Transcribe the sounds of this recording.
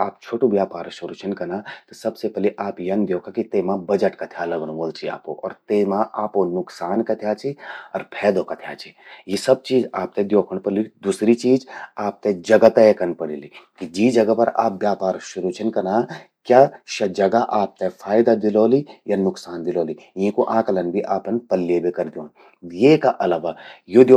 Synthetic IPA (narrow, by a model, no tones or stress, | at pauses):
aːp̚t͡ʃʰoːʈubjaːpaːɾʃʊɾut͡ʃʰɐnkɐnaːt̪ɐsɐbsepɛliʔaːpjɐnd̪joːkakit̪eːmãbɐd͡ʒəʈkat̪ʰijaːlɐɡñʋolt͡ʃʰia̰ːpo̰ʔɔ̰ːɾt̪emãʔaːponʊksaːnkɐt̪ʰijaːt͡ʃʰiɔːɾpʰɛːd̪okat̪ʰja̰ːt͡ʃʰijisɐb̚t͡ʃiːd͡ʒaːp̚t̪ẽd̪joːkʰəɽ̃pɐɽiid̪usɾit͡ʃiːd͡ʒaːp̚t̪ed͡ʒɐɡat̪ekɐnpɐɽilikid͡ʒiːd͡ʒɐɡapɐɾa̰ːp̚bjaːpaːɾʃʊɾuːt͡ʃʰənkɐnaː | kjaːʃɐd͡ʒɐɡaʔaːp̚t̪efʰaːɪd̪ad̪ɪloːlijanʊksaːnd̪ɪloːlijĩːkoʔãːkɐlɐnbʱiʔaːpənpɐlːebʱekɐɾd̪ijoːn | jeːkaʔɐlaːʋajod̪o